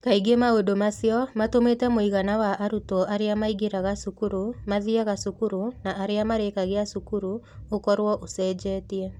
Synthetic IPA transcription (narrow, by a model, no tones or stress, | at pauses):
kaiɡemaodomasjɔmatometɛmoiɣanawaʔaɾutoʔaɾeamaiɣeɾaɣasukuɾumaðiaɣasukuɾunaaɾeamaɾekaɣeasukuɾu | okɔɾwɔʔosɛd͡ʑɛːtiɛ